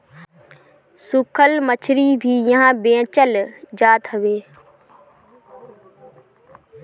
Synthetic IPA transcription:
sʊkʰəlmət͡ʃʰɾiːbʱiːjəɦãːbẽːt͡ʃəld͡ʒaːt̪ɦəʋeː

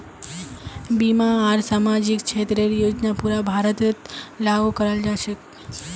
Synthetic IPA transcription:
bimaːɾsamad͡ʒikt͡ʃʰet̪ɾeɾjod͡ʒnapuɾabʱaɾət̪t̪laɡukəɾəld͡ʒaʃe

